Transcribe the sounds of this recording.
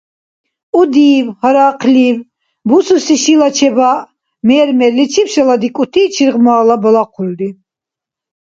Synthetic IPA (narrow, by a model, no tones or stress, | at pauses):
ud̪iːvhɔɾaːqʰliv | bususiʃilat͡ʃʰɛba | mɛːɾmɛɾlːit͡ʃʰipʃalad̪ikʼut̪ʰiːt͡ʃʰiɾʁmaːlabɔlaqʰuld̪i